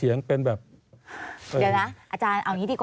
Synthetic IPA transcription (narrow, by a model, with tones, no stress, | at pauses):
i˨˩˦əŋpe˧nbɛː˨˩p̚ | dːwna˦˥ʔaː˧t͡ɕaː˧nʔa˧wniː˦˥d̪iː˨˧˩kw